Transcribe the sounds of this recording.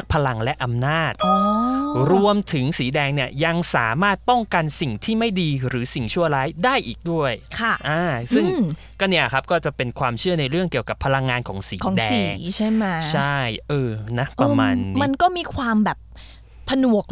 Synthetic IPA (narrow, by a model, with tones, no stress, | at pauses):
k̚pʰa˧la˧ŋlɛ˦˥ʔa˧mnaː˥˩t̪̚o˧ɾu˧əmt̪ʰɯ˩˦ŋsiː˩˦dɛː˧ŋni˥˩əja˧ŋsaː˩˦maː˥˩t̪̚pɔ˥˩ŋka˧nsi˨˩ŋt̪ʰiː˥˩ma˥˩jdiː˧ɾɯː˩˦si˨˩ŋt͡ɕʰu˥˩ɐɾaː˦˥jdaː˥˩jʔiː˨˩k̚du˥˩əjkʰa˥˩ʔaː˧˩sɯ˥˩ŋ | kɔː˥˩ni˥˩ʔa˨˩kʰa˦˥p̚kɔː˥˩t͡ɕa˨˩pe˧nkʰwaː˧mt͡ɕʰɯ˥˩əna˧jɾɯ˥˩əŋki˨˩əwka˨˩pʰːa˧la˧ŋːaː˧nkʰɔː˩˦ŋsiː˩˦˨ɔː˨˦dɛsːiː˧˨˦ŋ˦t͡ɕʰa˥˩jma˦˥t͡ɕʰa˥˩jʔɤː˧na˦˥pʔɾaː˧maː˧nːi˦ma˧nkɔː˥˩miː˧kʰwaː˧mbɛː˨˩p̚ʰː | a˧nu˨˩ək̚